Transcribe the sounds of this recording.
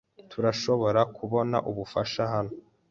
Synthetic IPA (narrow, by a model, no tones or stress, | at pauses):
tʰuɾaʃo̞βo̞ɾakuβo̞na̰ʔuβufaʃaɦano